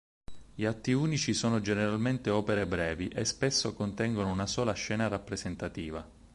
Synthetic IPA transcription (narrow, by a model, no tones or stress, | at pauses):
ʎiat̪ːiuːnit͡ʃisoːnod͡ʒeneɾalment̪eɔːpeɾebɾɛːviʔespesːokont̪ɛŋɡonounasɔːlaʃːɛːnarapːɾezent̪at̪iːva